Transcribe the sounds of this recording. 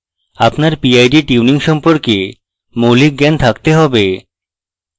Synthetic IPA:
apnaɾpiajɖiʈiuniŋʃɔmpoɾke | molik̚ɡɛnt̪ʰakt̪eɦɔbe

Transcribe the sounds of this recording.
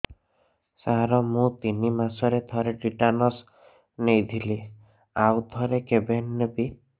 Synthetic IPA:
saɦɾɔmũt̪inimasɔɾet̪ʰɔɾeɖiʈanɔs | nejd̪ʰʱili | awt̪ʰɔɾekebenːebi

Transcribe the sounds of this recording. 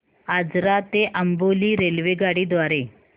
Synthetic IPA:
ad͡zɾat̪eʔəmboliːɾelʋeɡaɽiːd̪ʋaɾe

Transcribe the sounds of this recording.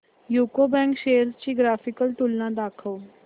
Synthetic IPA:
juːkoːbɛ̃ːŋkʃeːjəɾzt͡ʃiːɡɾaːfʰɪkəlʈuːlnãːd̪aːkʰəoː

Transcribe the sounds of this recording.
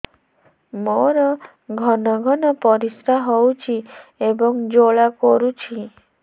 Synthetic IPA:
moɾɔ | ɡʱɔnɔɡʱɔnɔpɔɾisɾaɦowt͡ʃʰiebɔŋd͡ʒoɭakɔɾut͡ʃʰi

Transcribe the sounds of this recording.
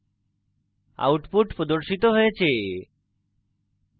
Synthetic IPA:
a̰wʈpuʈpɾod̪oɾʃit̪oɦojet͡ɕʰe

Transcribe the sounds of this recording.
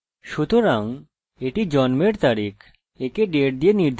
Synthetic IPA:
ʃut̪oɾaŋ | eʈid͡ʑɔnmeɾt̪aɾik | ekeɖeʈ̚d̪ieniɾd̪ʱ

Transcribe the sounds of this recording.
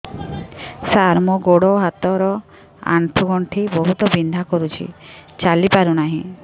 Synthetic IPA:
saɾmɔɡoɽɔɦat̪ɔɾɔ | a̰ɳʈʰuɡɔɳʈʰibɔɦut̪ɔbind̪ʱakɔɾut͡ʃʰḭt͡ʃalipaɾunaɦĩ

